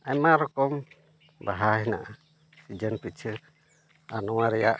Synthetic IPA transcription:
ajmaɾɔkɔm | baɦaɦina̰ʔa | sid͡ʒənpit͡ʃʰə | anɔwaɾijaʔ

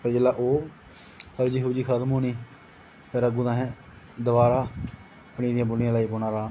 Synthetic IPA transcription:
pəd͡ʒəlaːʔoː | pʰəɾd͡ʒiɦuːd͡ʒiːkʰəd̪mɦoːniː | pʰɪɾəɡuːd̪ãːɦɛ̃ː | d̪əʋaːɾaː | əpɳiːd̪ɪjãːbʊnɪjãːlaːiːboːnãːɾaːn

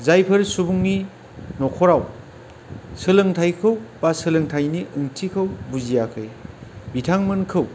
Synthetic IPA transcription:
zajpʰɯɾsubuŋni | nɔkʰɔɾaw | sɯlɯŋtʰajkʰɯwbasɯlɯŋtʰajniʔɯŋtʰikʰɯwbuzijakʰɯjbitʰaŋmɯnkʰɯw

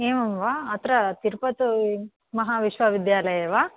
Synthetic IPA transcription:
eːmɐmʋaːt̪ɾɐt̪iɾpɐt̪u | mɐɦaːʋiʃʋɐʋid̪jaːlɐjɐʋaː

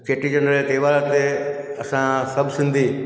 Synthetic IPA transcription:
keʈid͡ʒənɾəlet̪eʋaɭat̪eəsãsəbsɪnd̪ʱi

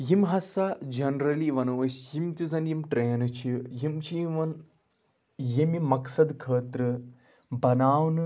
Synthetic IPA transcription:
jimɦɐsɐd͡ʒɐnɾɐliʋɐnɐɐsjimt̪izɐnjimʈɾeːnɨt͡ʃʰijimt͡ʃʰiiʋɐn | jimimɐksɐd̪kʰəːt̪ɾɨ | bɐnaːwn

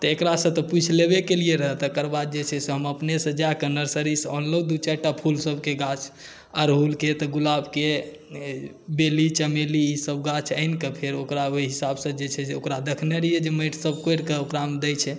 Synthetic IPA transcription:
t̪ekɾasə̃t̪ɔput͡ʃʰlebekelijeɾəɦət̪əkəɾbad̪̚d͡ʒet͡ʃʰɛseɦəməpnesə̃d͡ʒakənəɾsəɾisɔnləd̪ut͡ʃaʈapʰulsəbkeɡat͡ʃʰ | aɾɦulket̪ɔɡulabke | belit͡ʃəmeliːsəbɡat͡ʃʰənkepʰeɾokɾaoiɦisabsə̃d͡ʒet͡ʃʰɛseokɾad̪əkʰneɾijed͡ʒeməʈʰsəbkojɾkeokɾamd̪ɛjt͡ʃʰɛ

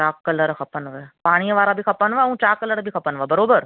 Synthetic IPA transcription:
t͡ʃaːkːələɾkʰəpənʋəpaːɽ̃ijəʋaːɾabʱikʰɐpənʋaʋũt͡ʃakːələɾbʱikʰəpənʋabəɾoːbəɾ

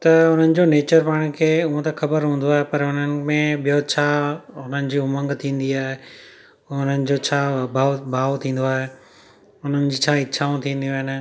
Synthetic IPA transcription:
t̪ɐʊn̤ənɪ̆d͡ʑoːneːt͡ɕəɾpaːɽ̃kʰeːʊɦõt̪ɐxɐbəɾɦũːn̆d̪oaːɦepɐɾʊn̤ənɪ̆mẽɓijot͡ɕʰaːʊn̤ənɪ̆d͡ʑiːʊmə̃ŋɡt̪ʰĩːn̆d̪iaːɦe | ʊn̤ənɪ̆d͡ʑoːt͡ɕʰaːbʱaːbʱaːʋt̪ʰĩːn̆d̪oaːɦe | ʊn̤ənɪ̆d͡ʑiːt͡ɕʰaːɪt͡ɕʰaːũt̪ʰĩːn̆d̪ijoɦɪnɪ̆

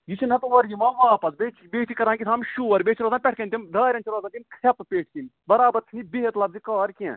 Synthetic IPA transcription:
jit͡ʃʰinɐt̪uʋɐɾjimãːʋaːpɐzbeːt͡ʃʰbeːt̪ʰikɐɾãːkit̪ʰaːmʃuːɐɾbeːt͡ʃʰiɾaːzãːpʲɛʈʰkɐnʲt̪ʲimd̪aːɾʲɐ̃nt͡ʃiɾaːzãːnt̪ʲimkʰɐppʲeːʈʰkin | bɐɾaːbɐɾt̪ʰinibeɦet̪lɐbzikaːɾkʲiɛ̰̃

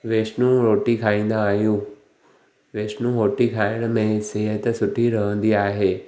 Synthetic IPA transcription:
ʋeːʃnũɾoːʈikʰaːĩːn̆d̪aːɦjũː | ʋeːsnũɦoːʈikʰaːɪɽ̃mẽseːɦət̪sʊʈʰiɾəɦə̃nd̪iaːɦeː

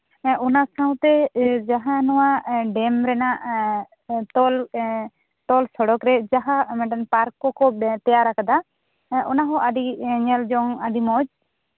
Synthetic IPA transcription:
ʔʊnasãũt̪ed͡ʒəɦãnʊãɖeːmɾɛːna | t̪ol | t̪oːlsɔɽɔkɾed͡ʒaɦamɛːɖəmpaːɾkokot̪ɪjaːɾəkʰd̪aː | ʔʊnãːɦõʔaɖiɲəld͡ʒoŋaɖimoːd͡ʒ

